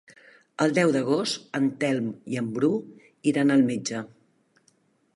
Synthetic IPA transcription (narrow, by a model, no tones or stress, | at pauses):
əlˠd̪ɛwd̪əɣ̞ost̪ənt̪ɛlˠmiəmbɾu | iɾanəlˠmed͡ʒə